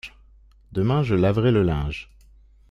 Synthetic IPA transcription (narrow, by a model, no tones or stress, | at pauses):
d̪əmɛ̃ʒəlavʁɛləlɛ̃ʒ